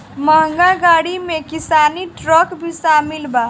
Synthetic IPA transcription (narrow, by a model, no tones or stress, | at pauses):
məɦəŋɡaɡaɽimẽkisaːniʈɾəkbʱisamilba